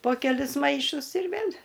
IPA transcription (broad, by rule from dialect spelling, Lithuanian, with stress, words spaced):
poː kʲɛˈlʲɪs ˈmɐɪʃʊs ɪr ˈʋʲeːlʲ